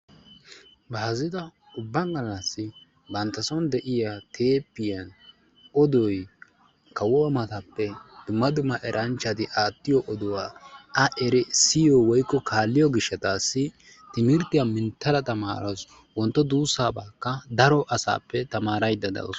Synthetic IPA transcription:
baːzɪd̪ɐ | ʊbːɐŋɡɐlːɐsːɪ | bɐnt̪ːɐsɔnd̪ɛʔɪjat̪ʰe̞ːpːɪjɐn | ɔd̪ɔj | kɐwɔwɐmɐt̪ɐpːɛd̪̥ʊmːɐd̪ʊmːɐʔɛɾʔɐnt͡ʃːɐt̪ɪʔaːt̪ːɪjɔʔɔd̪ʊwaːɐʔɛɾɛsɪjɔwɔjkːɔkʰaːlːɪjɔɡɪʃːɐt̪aːsːɪ | t̪ɪmɪɾt̪ɪjamɪnt̪ːɐɾɐt̪ɐma̰ːɾɐs | wɔnt̪ːɔd̪uːsːaːbaːkːɐd̪ɐɾɔʔɐsa̰ːpːɛt̪ɐmaːɾɐjd̪ːɐd̪ɐ̰w̰s

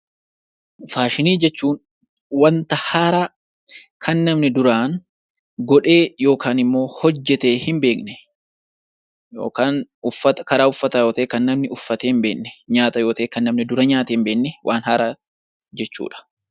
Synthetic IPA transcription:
faːʃɪniːd͡ʒɛt͡ʃːuːn | wɐnt̪ɐhaːɾɐ | kʰɐnːɐmnɪd̪ʊɾaːŋ | ɡɔᶑe̞ːjo̞ːkaːnɪmːo̞ːhɔd͡ʒːɛt̪e̞ːhɪmbe̞ːknɛ | jo̰ːkaːnʊfːɐt̪ɐkɐɾaːʊfːɐt̪ɐjoːt̪ɐeːkɐnːɐmnɪʊfːɐt̪eːɪmbe̞ːʔnːɛ̥ɲaːt̪ɐjo̞ːt̪ɐːkɐnːɐmnɪd̪ʊɾɐɲaːt̪eːmbe̞ːnːɛwʔaːnhaːɾɐ | d͡ʒɛt͡ʃːṵːᶑɐ̥

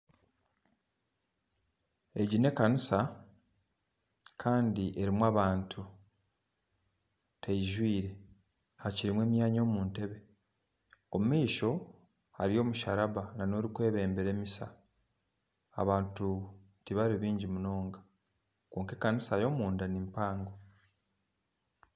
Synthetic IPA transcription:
e̞ɟine̞kanisa | kʰaːndiʔe̞ɾimwaːβaːntʰu | tʰeiʒwiːɾe̞ | haciɾimwe̞ːmjaːɲo̞ːmuːnte̞βe̞ | omumiːʃo̞ | a̰ɾio̞ːmuʃaɾaβanano̞ːɾikwe̞ːβe̞ːmbe̞ɾe̞ːmisa̰ | a̰βaːntu | tiβaɾiβiːɲɟimuno̞ːŋɡa | koːŋke̞kanisajo̞ːmuːndanimpaːŋɡo

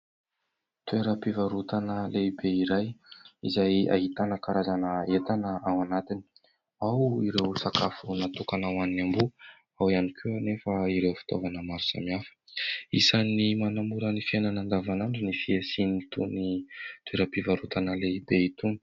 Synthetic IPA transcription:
t̪ueɾəpivaɾut̪anəlebeiɾajizaja̰ɦit̪anəkaɾazanəet̪anəawanat̪ini̥ | awiɾewsaka̰funat̪ukanawaninambu | awianikʰuanefaiɾewfi̥t̪o̰vanəmaɾu̥sa̰miafə̥isanimanamuɾənifienanand̪avanaɳɖ͡ʐinifiesinit̪unit̪weɾəpivaɾut̪anəleibeit̪uni̥

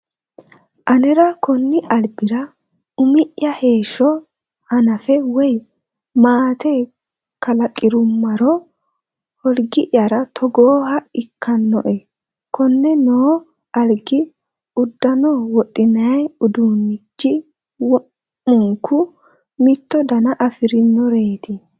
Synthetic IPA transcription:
ʔɐnɛɾɐkɔnːɪʔɐlbɪɾɐ | ʊmɪʔjɐhe̞ːʃɔ | hɐnɐfɛwɔj | maːt̪e | kɐlɐkʼɪɾʊmːɐɾɔ | hɔlɡɪʔjɐɾɐt̪ʰɔɡoːhɐɪkːɐnːɔʔɛ | kɔnːɛnoː | ɐlɡɪ | ʊd̪ːɐnɔwɔtʼːɪnɐjʊd̪uːnːɪt͡ʃːɪ | wɔ | mʊŋkːʊ | mɪt̪ːɔd̪ɐnɐʔɐfɪɾɪnːɔɾe̞ːt̪ɪ

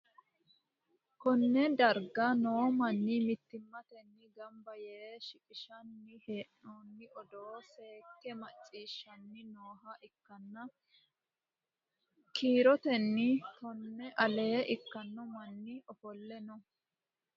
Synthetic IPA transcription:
kɔnːɛd̪ɐɾɡɐnoːmɐnːɪmɪt̪ːɪmːɐt̪ɛnːɪɡɐmbɐjeːʃɪkʼɪʃɐnːɪheːʔoːnːɪʔɔd̪oːse̞ːkːɛmɐt͡sʼːiːʃːɐnːɪnoːɦɐʔɪkːɐnːɐ | kʰiːɾɔt̪ɛnːɪt̪ɔnːɛʔɐle̞ːʔɪkːɐnːɔmɐnːɪɔfɔlːɛnɔ

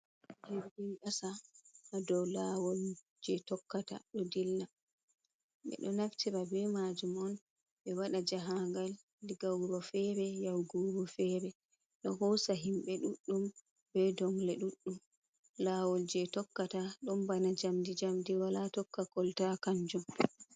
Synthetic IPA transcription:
d͡ʒiɾdiʔasaadɔwlawɔl | d͡ʒɛtɔkːata̰ɗɔdilːa | ɓɛ̰ɗɔnaftiɾabɛmad͡ʒumɔn | ɓɛwaɗad͡ʒaɦaŋɡal | diɡawɾɔfɛɾɛjawɡuɾɔfɛːɾɛ | ɗɔɦɔsaɦimɓɛɗuɗːum | bɛdɔŋlɛɗuɗːum | lawɔld͡ʒɛtɔkːataɗɔmbanad͡ʒamdid͡ʒamdiwalatɔkːakɔltakaɲd͡ʒɔm

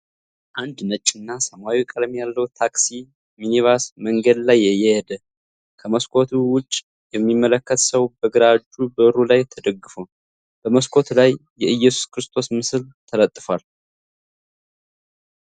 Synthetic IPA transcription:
ʔand̪nət͡ʃʼːɪnːasəmwawikʼəd̪mejalːəwt̪ʰaksi | minivasməŋɡəd̪lajːɛjɛjɛd̪ə | kʰəməskʰo̞t̪ʰuwʊt͡ʃʼː | jɛmːimːələkːət̪səwbəɡɨɾad͡ʒubəɨɾulajt̪ʰəd̪əɡːɨfo | b̥əməskʰʷo̞t̪lajːɛʔɨjːɛsu̥skɨɾɨst̪ʰo̞smɨsɨlt̪ʰələt̪ʼːɨfwal

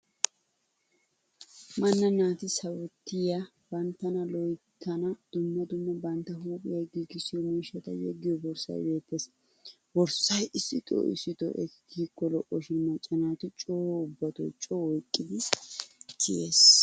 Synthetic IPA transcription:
mɐnːɐnaːt̪ɪsɐwɔt̪ːɪjɐ | b̥ɐnt̪ːɐnɐlɔjt̪ʰːɐnɐd̪̥ʊmːɐd̪ʊmːɐbɐnt̪ːɐhuːkʼɪjɐɡiɡɪsɪjɔmeːʃːɐt̪ɐ̰jɛ̰ɡːɪjɔbɔɾsɐ̰jbe̞ːt̪ːeːs | bɔɾsɐjɪsːɪt̪ʼo̰ʔɪ̰sːɪt̪ɔ̰ʔɛ̰ɡiːkːɔlɔʔːɔʃɪnmɐt͡ʃʼːɐnaːt̪ɪt͡ʃʼoːʊbːɐt̪ɔ̰jt͡ʃʼoːwɔjkʼːɪd̪ɪ | tɪjeːs

